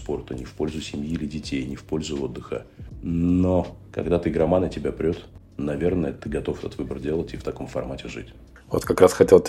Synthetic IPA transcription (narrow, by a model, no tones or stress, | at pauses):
spo̞rt̪ənʲɪfpo̞lʲzʊsʲɪmʲjilʲɪdʲɪtʲejnʲɪfpo̞lʲzʊo̞d̪ːɨxə̰ | nokɐ̰ɡd̪at̪ɨɡɾɐmanətʲɪbʲapɾʲot̪ | nɐvʲe̞rnəjət̪ɨɡɐt̪o̞fɛt̪ət̪vɨbərdʲe̞lˠətʲift̪ɐko̞mfɐrmatʲɪʐɨ̰tʲ | vo̰t̪kɐkɾasxɐtʲelˠ